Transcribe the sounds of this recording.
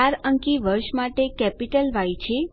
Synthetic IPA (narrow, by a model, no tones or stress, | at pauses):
aɾəŋkiʋəɾʃmaʈekɛpiʈəlʋajt͡ʃʰe